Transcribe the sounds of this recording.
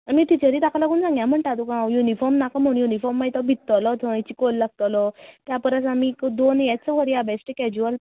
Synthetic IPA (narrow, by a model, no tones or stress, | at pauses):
amiːt̪it͡ɕəɾiːt̪akalaɡuːnd͡zãŋɡjam̤əɳʈat̪ukãjunifɔɾmnakam̤əɳũjunifɔɾmːait̪ɔbʱit̪ːɔlɔt̪ʰəĩt͡ɕikolːaɡ̚t̪ɔlɔt̪japəɾat͡samikd̪onjat͡səʋəɾjabesʈəkɛd͡ʑuʋəl